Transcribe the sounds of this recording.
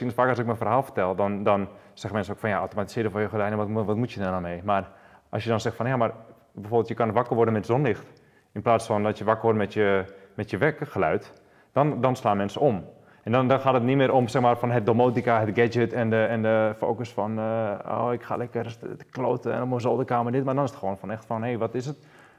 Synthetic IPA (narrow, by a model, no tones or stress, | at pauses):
inətfaːkɔsɪk̚mɛnfərɦaːlˠfərtɛlˠdɔndɔn | sɛxəmɛnsnokfɔnjaawtomati̥sɪədəfʋɔjəxədɛjnɛʋɔtʋɔtmutjədɛndɔnmeːmar | ɔsjədɔnsɛxtfɔnjamar | bɛfoːrbɪlˠtjəkɔnʋakərʋʊrdənmɛtzonlɪxt | ɪnplaːsfɔndɔtjəʋakərʋɔrdənmɛtjəmɛtjəʋɛkəxəlœɥt | d̥ɔndɔnslaːnmɛnsəom | ʔɛndɔndɔnxaːtətnimɪːɾomsɛxmaːrfɔnɦət̚domoːtikaɦətɡɛd͡ʒətɛndəɛndəfo̰ːkəsfɔno̰ːɪkxa̰lɛkrəsdklo̰təɛ̰nɔpməzoːlˠdəkaːmədɪtmardɔnɪsətxəʋoːnfɔnɛxtfɔnheːʋɔtɪsət